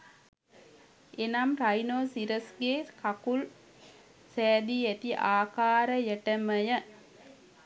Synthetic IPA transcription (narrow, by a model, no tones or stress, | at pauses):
enamɾajnoːsiɾəsɡeːkakul | sɛːd̪iæt̪iʔaːkaːɾəjəʈəməjə